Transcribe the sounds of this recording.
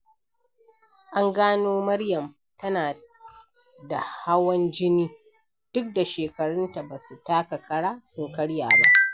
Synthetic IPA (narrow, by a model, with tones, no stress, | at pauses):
ʔa˦ŋɡaː˦noː˦mɐ˦ɽjɐ˨m | tɐ˦naː˨ | da˨ha˦wɐ˦nd͡ʒɪ˦niː˦ | d̥ʊ˦k̚da˨ʃeː˨kɐ˨ɽʊ˦nta˨baː˨su˨taː˦ka˨kɐ˦ɽaː˦sʊ˦ŋkɐ˦ɽjaː˨ba˦ʔ